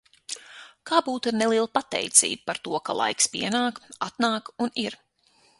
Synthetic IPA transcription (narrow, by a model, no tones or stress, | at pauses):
kaːbuːt̪iɾnɛlˠiɛlˠpat̪ɛ̰jt̪sḭːb̚paɾt̪uɔka̰lˠa̰jkspiɛnaːkat̪naːkuniɾ